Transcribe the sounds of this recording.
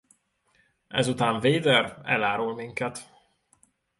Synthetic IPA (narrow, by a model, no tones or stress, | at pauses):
ɛ̰zut̪aːɱveːd̪ɛrɛ̰laːɾulmiŋkɛt̪